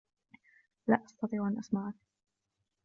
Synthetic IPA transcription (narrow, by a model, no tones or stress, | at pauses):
la̰ːʔɑst̪ɑt̪ˤiːʕʔanʔɑsˤmɑʕak